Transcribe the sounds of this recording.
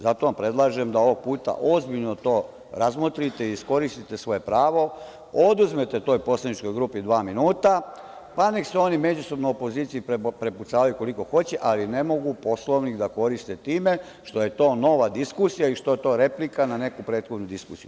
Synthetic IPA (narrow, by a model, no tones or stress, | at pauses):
zat̪o̞ʋampɾe̞d̪lˠaʒe̞md̪ao̞ʋo̞ɡ̚puːt̪a̰ʔo̞zbiʎnot̪o̞ː | ɾazmot̪ɾit̪e̞iːsko̞ɾist̪it̪e̞sʋo̞je̞pɾaːʋo̞ | o̞d̪uzmet̪e̞t̪o̞jpo̞slˠad̪nit͡ʃko̞jɡɾuːpid̪ʋaːminuːt̪a | pane̞kseo̞nime̞d͡ʑuso̞bnojopo̞ziːt̪sijippɾe̞put̪saːʋajuko̞liko̞xo̞t͡ɕeʔaline̞mo̞ɡupo̞slˠo̞ʋnixd̪ako̞ɾist̪e̞t̪iːme̞ | ʃt̪o̞je̞t̪o̞ːno̞ʋad̪iskusijaiʃt̪o̞je̞t̪o̞ːɾe̞plikanane̞kupɾe̞ːd̪xo̞d̪nud̪iskusijuu